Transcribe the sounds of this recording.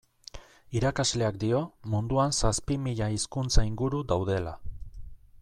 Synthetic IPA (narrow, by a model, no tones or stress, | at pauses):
iɾakazle̞akd̪io̞mund̪uansaspimiʎaiskunt͡saiŋɡuɾud̪awðe̞la